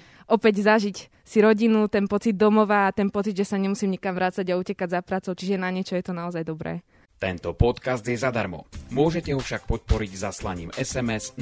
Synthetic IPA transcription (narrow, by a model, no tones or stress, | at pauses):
ʔɔpɛɟzaʒic | siɾɔɟinut̪ɛnpɔt͡sid̪̚ːɔmɔʋaːt̪ɛnpɔt͡sid̪ʒɛsaɲɛmusiːmɲikamʋɾaːt͡saɟaucɛkaɟzapɾaːt͡sɔʊt͡ʃiʒɛnaɲɛt͡ʃɔjɛt̪ɔnaɔzajd̪ɔbɾɛ̰ː | t̪ɛnt̪ɔpɔt̪kazd̪jɛzad̪aɾmɔ̰mʊɔʒɛcɛɦɔfʃakpɔt̪̚pɔɾiɟzaslaɲiːmɛsɛmɛs